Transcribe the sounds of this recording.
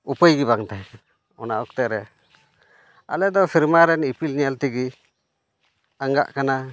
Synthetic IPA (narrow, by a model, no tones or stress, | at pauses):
upəjɡibaŋt̪aj | ɔnaʔɔk̚t̪ɛʔɾɛ | a̰lɛd̪ɔpʰiɾmaɾɛnipilɲalt̪iɡi | aŋɡa̰ʔkana